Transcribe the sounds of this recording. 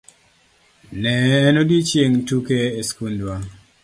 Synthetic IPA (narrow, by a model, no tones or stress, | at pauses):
nɛːnodit͡ʃjeŋtukeːskundwa